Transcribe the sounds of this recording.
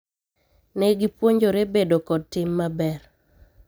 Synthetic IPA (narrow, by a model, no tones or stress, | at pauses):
nɛɡipwoɲd͡ʒoɾebedokɔd̚tɪmːabɛr